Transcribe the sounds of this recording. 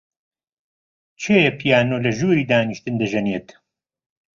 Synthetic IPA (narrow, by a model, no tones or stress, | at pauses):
t͡ʃʰeːjɐpʰijaːnoːlɐʒuɾiːd̪aːniʃt̪ɨnd̪ɐʒɐneːt̪